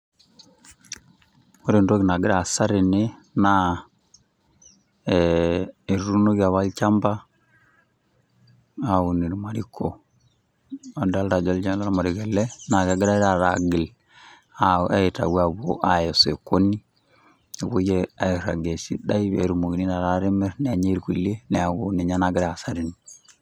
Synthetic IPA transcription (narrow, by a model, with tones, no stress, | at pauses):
o˦ɾe˨ndo˦ɣi˨na˨ɡi˦ɾa˨sa˦ɾe˨ne˦na | e˨ɾɾu˦no˦ɣa˨βa˦lt͡ʃa˦mba˦ | au˨ni˨ɾima˨ɾikʰo | a˨da˦lɾa˨d͡ʒa˦ld͡ʒa˦la˦ɾa˦ma˨ɾiɣɛ˨lɛ˦na˨ɡa˨ɡi˦ɾa˦ɾa˨ɾa˨ɡi˨l | aa˦˨ta̰˨wa˨βoʔa˨jo˨se˨ko˦ni˦ | a˨βo˦je˦a˨iɾa̰˨ɡe˨si˦da˦iβḛ˨ɾumo˨ɡi˨ni˦na˨ɾa˦ɾe˦mɛ˦ɾnː˨ɲe˦ɾku˨le˦nɛ˨a˨ɡoni˨ɲa˦na˦ɡi˦ɾa˨a˨sa˦ɾini